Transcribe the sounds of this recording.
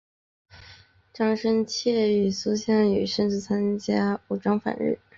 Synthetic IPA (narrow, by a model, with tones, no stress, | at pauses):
ʈ͡ʂɑ˥˩ŋʂə˥nt͡ɕʰjɛ˥˩y˨˩su˥ɕjɑ˥˩ŋy˨˩ʂə˥˧nʈ͡ʂɻ̩˥˩t͡sʰa˥nt͡ɕja˥u˨˩ʈ͡ʂɑ˥ŋfa̰˨˩nɻ̩̰˥˩